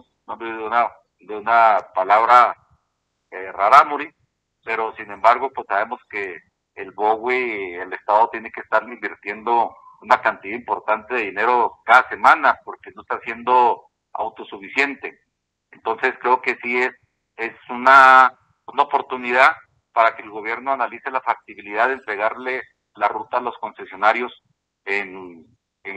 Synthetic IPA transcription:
nambeðonaðo | d̪eunapalaβɾa | eraɾamuɾi | peɾosinẽ̞mbaɾɣo̞pwesaβe̞mo̞skeː | lβoɣwielest̪aðo̞t̪je̞nekest̪aɾleimbiɾt̪je̞nd̪ounakant̪iðaimpo̞ɾt̪ant̪eðeðine̞ɾo̞kaðase̞mãnapo̞ɾkenoest̪asje̞nd̪o̞ | a̰wt̪osufisje̞nt̪e̞ | ent̪o̞nse̞skɾe̞okesies | esuna | unaopo̞ɾt̪uniðað | paɾake̞ːlɣo̞β̞je̞ɾno̞analise̞lafak̚t̪iβiliðaðent̪ɾe̞ɣaɾle | larut̪aːlo̞sko̞nse̞sjo̞naɾjo̞s | en

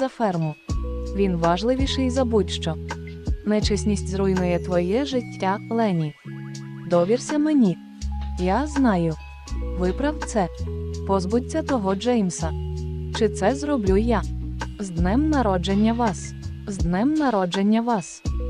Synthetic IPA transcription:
zɐfɛrmʊʋʲinʋɑʒlˠɪʋʲiʃɛjzɐbutʲʃt͡ʃɔ | nɛt͡ʃɪsʲnʲisʲtʲzɾujnʊjɛt̪ʋɔjɛʒɪtʲːalˠɛnʲi | d̪ɔʋʲirsʲɐmenʲi | jaznɑjʊ | ʋɪpɾɐwt̪sɛpɔzbʊtʲːɐt̪ɔɦɔd͡ʒɛjmsɐt͡ʃɪt̪sɛzrɔblʲujazd̪nɪmnɐɾɔd͡ʒenʲːɐʋɑs | zd̪nɪmnɐɾɔd͡ʒenʲːɐʋɑs

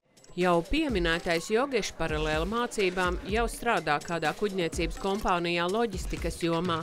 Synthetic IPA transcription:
jawpiɛminæːt̪ajsjɔɡiʃpaɾalˠeːlˠmaːt̪siːbaːmjawst̪ɾaːd̪aːkaːd̪aːkuɟʲniɛt̪siːbəskɔmpaːnijaːlˠɔɟist̪ikɐsjuɔmaː

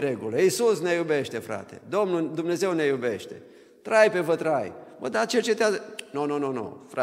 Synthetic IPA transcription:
ɾeɡuləisusnejube̞ʃt̪e̞fɾa̰t̪e̞̰d̪o̞mnud̪umne̞ze̞wne̞jube̞ʃt̪e̞̰ | t̪ɾajpe̞vət̪ɾajmə̰d̪at͡ʃe̞rt͡ʃe̞t̪eazənononono̰fɾa

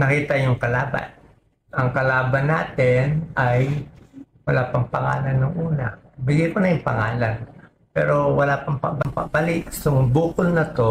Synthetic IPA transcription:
nɐkiːt̪ɐjʊŋkɐlaːbɐ̰n | ʔɐŋkɐlaːbɐnːaːt̪ɪnaj | wɐlaːpɐŋpɐŋa̰ːlɐnːɐŋʔuːnɐbɪɡikonɐjʊŋpɐ̰ŋaːlan | pɛ̰ːɾo̞wɐlaːpɐŋpɐ̰bɐŋpɐ̰balɪsoŋbuːkʊlnɐt̪o̞

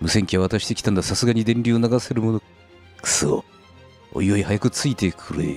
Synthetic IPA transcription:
mɯ̟se̞ŋkʲiaβ̞at̪aɕi̥t̪e̞kʲt̪ãnd̪asasɨɡaɲ̟id̪ẽnʲɾʲiːonaɡase̞ɾɯ̟mo̞no̞̥ | sɨo̰ | o̰ioihajakɯ̟t͡sɨit̪e̞kʰɯɾɯ

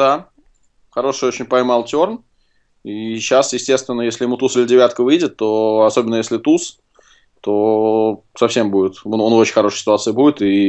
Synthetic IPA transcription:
d̪a | xɐɾo̞ʂɨjot͡ɕɪnʲpɐjmalˠtʲo̞rn | iɕːasjɪsʲtʲe̞st̪vʲɪnːəjesʲlʲɪjɪmut̪usɨlʲɪdʲɪvʲat̪kəvɨjdʲɪt̪ːo̞ɐso̞bʲɪnːəjesʲlʲɪt̪us | t̪o̞ | sɐfsʲe̞mbudʲɪt̪ononot͡ɕɪ̥nʲxɐɾo̞ʂəjsʲɪ̥t̪ʊat̪sɨjɪbudʲɪt̪i

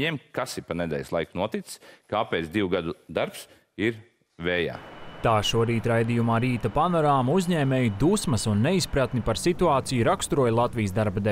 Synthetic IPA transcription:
eɛmkasipanɛd̪ʲɛ̰ːjslˠajknuɔt̪it̪skaːpɛːt̪d̪iwuɡad̪ud̪aɾps | iɾ | vɛːja̰ːt̪aːʃuɔɾiːt̪ɾajd̪ijumaːɾiːt̪apanɔɾaːmuzʲɲɛːmʲeːjud̪usmɐsunːeispɾat̪nipaɾsit̪uaːt̪sijuɾakst̪uɾuɔjlˠat̪vijəsd̪aɾbad̪ɛ

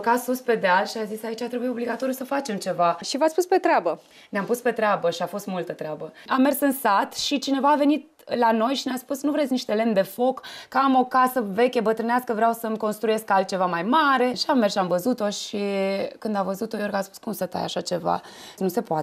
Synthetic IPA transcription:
kasuspe̞d̪ealʃiazisait͡ʃat̪ɾe̞buio̞bliɡat̪o̞ɾjusəfat͡ʃe̞mt͡ʃe̞vaʃivat̪sʲpuspe̞t̪ɾeabə | neampuspe̞t̪ɾeabəʃiafo̞st̪mult̪ət̪ɾeabəame̞rsɨnsat̪ʃit͡ʃine̞vaːve̞nit̪̚ | lano̞jʃinaspusnuvɾesʲniʃt̪e̞le̞md̪e̞fo̞kːəamo̞kasəve̞kʲebət̪ɾɨneaskəvɾawsəmko̞nst̪ɾuje̞skalt̪̚t͡ʃe̞vamajmaɾe̞ʃiamːersʃʲiamvəzut̪o̞ʃikɨnd̪avəzut̪o̞jo̞rɡaspu̥skumsət̪a̰ja̰ʃat͡ʃe̞va̰ | nuse̞poa

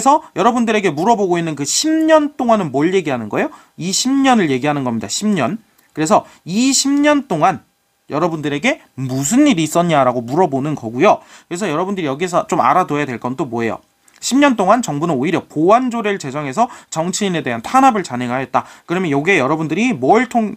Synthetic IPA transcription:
ɾesʰʌjʌɾʌbundɯɾe̞ɡe̞muɾʌboɡoinːɯnkɯɕʰimɲʌnt͈oŋanɯnmʌɭje̞ɡiɦanɯnɡʌejo | iɕʰimɲʌnɯɭje̞ɡiɦanɯnɡʌmɲidaɕʰimɲʌn | kɯɾe̞sʰʌiɕʰimɲʌnt͈oŋan | jʔʌɾʌbundɯɾe̞ɡe̞ | mus̬ʰɯnːiɾiːs͈ʌɲaɾaɡomuɾʌbonɯnɡʌɡujokɯɾe̞sʰʌjʌɾʌbundɯɾijʌɡiesʰʌt͡ɕoma̰ɾadoejadwe̞ɭk͈ʌnt͈omwoe̞jo̰ | ɕʰimɲʌnt͈oŋant͡ɕʌŋbunɯnoiɾjʌpoand͡ʑoɾeɭt͡ɕe̞d͡ʑʌŋɦe̞s̬ʰʌt͡ɕʌŋt͡ɕʰiine̞de̞ɦantʰanɦabɯɭt͡ɕane̞ɡaɦaɦe̞t̚t͈akɯɾʌmjʌnjʌɡiejʌɾʌbundɯɾimwʌɭtʰoŋ

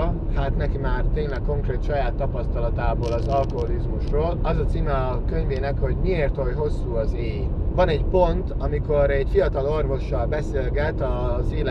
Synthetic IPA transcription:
haːt̪nɛkimaːrt̪eːɲlɛkkːo̞ŋkreːt̪ʃɒjaːt̪ːɒpɒst̪ɒlɒt̪aːboːlɒzɒlko̞ɦolizmuʃroːlɒzɒt̪siːmɛ | kø̞ɲveːnɛkho̞ɟmieːrt̪ojɦo̞sːuːɒzeːj | vɒnɛɟpo̞nt̪ɒmiko̞ɾɛɟfijɒt̪ɒlo̞rvo̞ʃːɒlbɛseːlɡɛt̪ɒzeːl

